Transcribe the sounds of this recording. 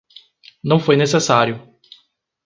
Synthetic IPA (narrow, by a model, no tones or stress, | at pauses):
nɐ̃w̃fojnesesaɾjʊ